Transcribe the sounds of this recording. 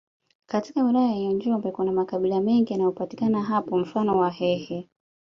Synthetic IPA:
katikawilajajɔɲd͡ʒɔmbɛkunamakaɓilamɛŋɡijanajɔpati̥kanaɦapɔm̩fanɔwahɛhɛ

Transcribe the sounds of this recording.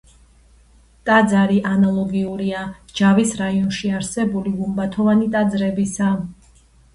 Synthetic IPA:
t̪ʼad̪zaɾiʔanalˠɔɡiuɾiad͡ʒavisɾaiɔnʃiaɾsɛbuliɡumbat̪ʰɔvanit̪ʼad̪zɾɛbisa

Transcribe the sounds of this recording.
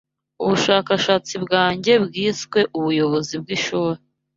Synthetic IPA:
uβuʃaːkaʃaːt͡sibɡaːɲɟe̞bɡiːskwe̞ʔuβujo̞βo̞zib̚ɡiʃuːɾe

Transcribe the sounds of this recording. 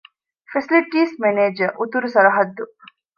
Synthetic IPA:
fesiliʈiːsmeneːd͡ʒɐʔut̪uɾusɐɾɐɦɐd̪ːu

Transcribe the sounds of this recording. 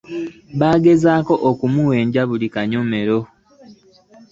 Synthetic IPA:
βaːɡe̞zaːko̞ʔokumuwe̞ːɲɟaβulikaɲome̞ɾo̞

